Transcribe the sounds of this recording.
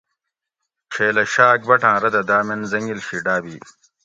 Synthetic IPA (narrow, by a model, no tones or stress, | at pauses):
t͡ʃʰeːlɐɕaːk̚bɐʈãːɾɐd̪ɐd̪aːmenzɐŋɡilɕiɖaːbiː